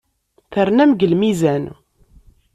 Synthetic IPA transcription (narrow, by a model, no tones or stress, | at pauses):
θəɾnæmɡəlmizæn